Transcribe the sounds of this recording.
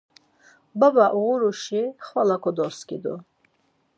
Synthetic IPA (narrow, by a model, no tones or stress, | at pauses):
babaʔuʁuɾuʃiχwalakʰɔd̪ɔskḭd̪ɔ